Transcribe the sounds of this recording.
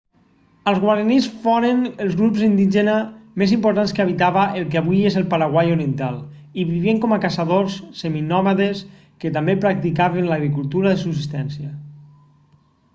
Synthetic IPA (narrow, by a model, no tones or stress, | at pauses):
əlˠzɣwaɾenisfɔɾənelˠzɣɾupzind̪iʒenamezimpoɾt̪anskəaβ̞it̪aβaʔelˠkeaβujezəlˠpaɾaɣwajoɾient̪alˠ | iβiβieŋkɔmakasaðosːeminɔmaðes | kət̪ambepɾak̚t̪ikaβenlaɣɾikulˠt̪uɾaðesuksist̪ɛnsiə